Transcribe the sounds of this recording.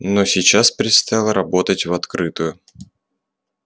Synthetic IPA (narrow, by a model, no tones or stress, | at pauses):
no̞sʲɪt͡ɕaspɾʲɪt̪st̪ɐjalˠəɾɐbo̞t̪ətʲvɐt̪kɾʔɨt̪ʊjʊ